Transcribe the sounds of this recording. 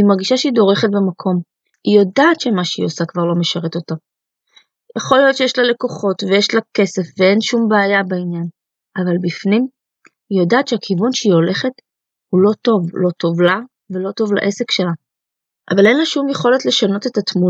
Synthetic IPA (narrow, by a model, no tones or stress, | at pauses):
imaʁɡiʃaʃeido̞ʁe̞χet̚bemakʰo̞m | ijo̞daːt̪ʃemaʃeḭosakvaʁlo̞me̞ʃaʁe̞to̞ta | jaχo̞ljo̞tt͡ʃejeʃlale̞ko̞χo̞tvejeʃlake̞se̞fvee̞nʃumbeːjabainjan | ʔavalbifnim | ijodaːtʃeakʰivunʃeio̞le̞χe̞t | hulo̞to̞vlo̞to̞vla | velo̞to̞vla̰ʔe̞se̞kʃe̞la | ʔa̰vale̞nlaʃumjeχo̞letle̞ʃano̞te̞tat̪mu